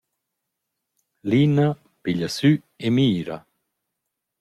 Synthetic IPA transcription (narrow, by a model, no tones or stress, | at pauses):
lina | piʎasy | emiːɾa̰